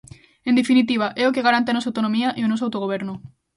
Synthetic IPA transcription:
end̪efinit̪̬iβ̞aʔeokeɣaɾant̪̬eanos̬awt̪onõmiaʔionos̬awt̪oɣ̞oβ̞eɾno

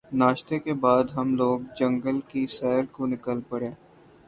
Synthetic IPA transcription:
naːʃt̪ekebaːd̪ɦɐmloːɡ̚d͡ʒɐ̃ŋɡəlkisɛːɾkonɪkəlpɐɽeː

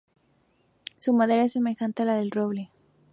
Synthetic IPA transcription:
sumaðe̞ɾaesːeme̞xant̪ealaðe̞lroβle

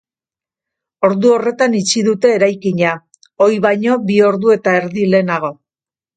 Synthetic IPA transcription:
o̞ɾðuo̞re̞t̪anit͡ʃiðut̪e̞ːɾajkiɲa | o̞jβajɲo̞bio̞ɾðue̞t̪ae̞ɾðile̞ːnaɣ̞o̞

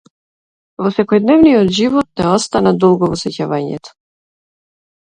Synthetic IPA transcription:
vɔsɛkɔjd̪nɛvnijɔd̪ʒivɔt̪̚nɛɔst̪anad̪ɔlˠɡɔvɔsɛcavaɲɛ̰t̪ɔ̥

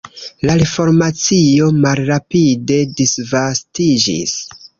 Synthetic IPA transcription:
laifo̞ɾmat͡sio̞malɾapide̞disvastid͡ʒḭs

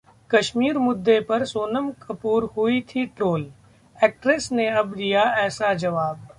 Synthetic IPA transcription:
kɐʃmiːɾmʊd̪ːepɐɾsoːnəmkɐpuːɾhʊit̪ʰiʈɾoːl | ɛːk̚ʈɾesneɐbd̪ijaɛːsad͡ʒɐʋaːb̚

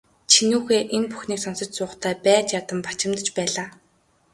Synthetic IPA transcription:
t͡ɕʰinuːxeːʔenpu̥xniːksɔnsɞ̆t͡ɕsʊːχt̪ʰæːpæːt͡ɕjat̪ə̆mpḁt͡ɕɪ̆mt̪ə̆t͡ɕpæːɮaː

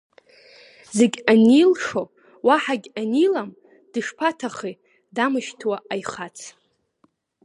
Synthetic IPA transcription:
ze̞ɡʲanilʂo̞ | waħaɡʲanilam | d̥ɨʂpʰatʰaχi | damɨʃtʰwaʔajχat͡sʰ

